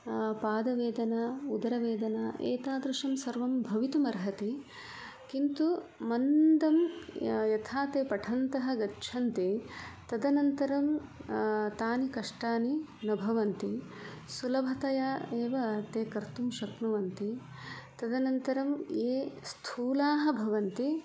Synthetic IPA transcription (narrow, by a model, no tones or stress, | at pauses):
paːd̪ɐʋeːd̪ɐnɐud̪ɐɾɐʋeːd̪ɐnɐʔḛːt̪aːd̪ɾuʂɐmsɐɾʋɐmbʱɐʋit̪umɐɾɦɐt̪e | kint̪umɐnd̪ɐmjɐt̪ʰaːt̪eːpɐʈʰɐnt̪ɐɦɐ̆ɡɐt͡ʃʰɐnt̪et̪ɐd̪ɐnɐnt̪ɐɾɐm | t̪aːnikɐʂʈaːninɐbʱɐʋɐnt̪i | sulɐbʱɐt̪ɐjaeːʋɐt̪eːkɐɾt̪umʃɐknuʋɐnt̪i | t̪ɐd̪ɐnɐnt̪ɐɾɐmeːst̪ʰuːlaːɦɐ̆bʱɐʋɐnt̪i